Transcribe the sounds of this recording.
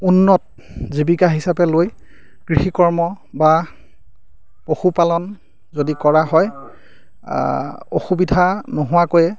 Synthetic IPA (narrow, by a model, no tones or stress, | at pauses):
unːɔt̚ | zibikaɦisapɛloj | ɡ̥ɹixikɔɹmɔ | ba | poxupalɔn | zodikɔɹaɦɔj | o̰xubidʱanoɦʊwakojɛ